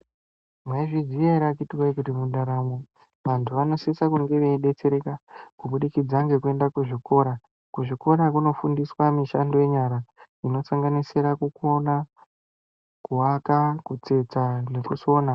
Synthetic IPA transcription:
mwaiʐizijaiɾakitiwaikutimuɗaɾamo | ʋantʰuʋano̞sisakuŋɡe̞ʋeiɗe̞t͡se̞ɾe̞kakuɓuɗikid͡zaŋɡe̞kue̞ndakuʐikʰo̞ɾa | kuʐiko̞ɾak̬uno̞fundiswamiʃando̞je̞ɲaɾa | ino̞saŋɡanisiɾakukona | kuɦakakut͡se̞t͡sane̞kuso̞ːna

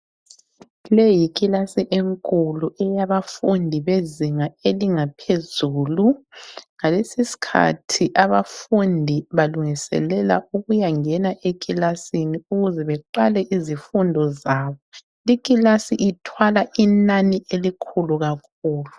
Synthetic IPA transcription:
lejikʼilasiʔeŋkʼuluʔɛjaβafundʱiβeziŋaeliŋapʰezuːluŋalesisi̥kʰa̰tʰiʔaβafundʱiβaluŋisɛ̰lɛla̰uɣujaŋɛnaʔekʼilasiniuɣuzɛβɛǃalɛʔizifundʱɔzaːβɔ | ikʼilasiʔitʰwalaʔinaniʔelikʰuluɣakʰuːlu

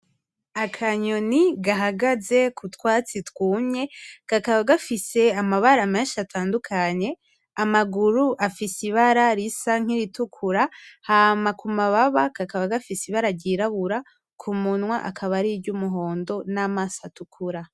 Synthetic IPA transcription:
akʰaɲo̞niɡaɦaɡaze̞kʰutwaːt͡sitwuːmɲe̞kakaβaɡafise̞amaβaɾameːnʃatʰaːndukʰaɲe̞ | amaɡuɾuʔafisiβaɾaɾisaŋ̥iɾitukʰuɾahaːmakumaβaβakakaβaɡafisiβaɾaɾɟiɾaβuɾa | kʰumunwaʔa̰kʰaβaɾibɟumuɦo̞ːndo̞namasatukʰuɾa

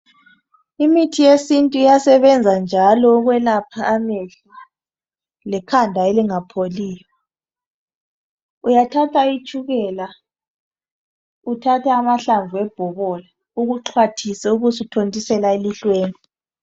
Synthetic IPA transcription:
imitʰijesintʼuijasɛβɛnd͡zʱand͡ʒʱalɔɣwɛlapʰaːmɛɬ | a | lɛkʰandʱaeliŋapʰoliːja | ujatʰatʰait͡ʃʼuɣɛla | utʰatʰaːmaɬaɱvuɛb̥ʱɔβɔla | uɣuǁʰwatʰisɛuɣusutʰontʼisɛlaeliɬweːni

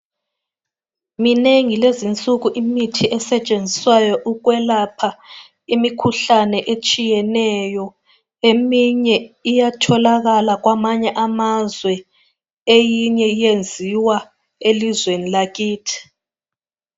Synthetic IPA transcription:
mineŋilezint͡sʼuɣuʔimitʰiʔɛsɛt͡ʃʼend͡zʱiswajɔʔuɣ̬wɛlapʰa | imikʰuɬanɛʔet͡ʃʼijɛnɛjɔ | emiɲɛijatʰɔlaɣalaɣwamaɲɛʔamazwɛ | ejiɲɛijend͡zʱiwa | elizwenilaɣiːtʰi̥

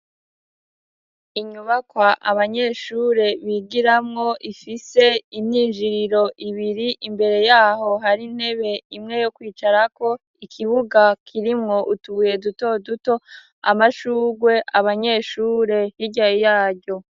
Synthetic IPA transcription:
iɲuβakwaʔaβaɲe̞ːʃuɾe̞βiɡiɾamŋo̞ʔifise̞imɲiːnʒiɾiɾo̞ʔiβiɾiʔimbe̞ɾe̞jaːɦo̞ɦaɾinhe̞βe̞imŋe̞jo̞kwiːt͡ʃaɾako̞ | ikʰiβuɡakʰiɾimŋo̞ʔutuβuje̞duto̞duto̞ | a̰maʃuːɡwe̞ʔaβaɲe̞ːʃuːɾe̞hiɟaijaːɟo̞

